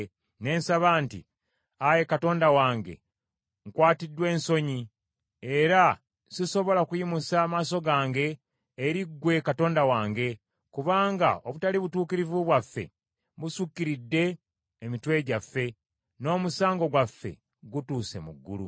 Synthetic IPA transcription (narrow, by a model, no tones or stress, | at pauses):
ne̞ːnsaβaːntḭ | aje̞kato̞ːndawaːŋɡe̞̰ | ŋkwaːtidwe̞ːnso̞ɲi | e̞ɾa | siso̞βo̞lakujimusaːmaːso̞ɡaːŋɡe̞ː | ɾiɡːwe̞kato̞ːndawaːŋɡe̞ | kuβaːŋɡa̰o̞βutaliβutuːkiɾivuβwafːe̞̰ | βusukːiɾidːe̞ː | mitwe̞ɟafːe̞ | no̞ːmusaːŋɡo̞ɡwafːe̞̰ | ɡutuːse̞muɡːṵlṵ